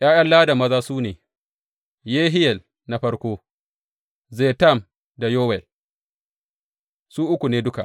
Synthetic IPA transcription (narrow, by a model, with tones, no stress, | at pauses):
j̰aː˦jɐ˦nlaː˦da˨mɐ˦zaː˦suː˦neː˨ | jeː˦ɦɪ˦jɛ˨l | na˨ɸɐ˦ɽkʷoː˦ | zeː˨ta˦˨m | da˨joː˦wɛ˨l | suː˦ʔʊ˦kʷu˨neː˦dʊ˦ka˨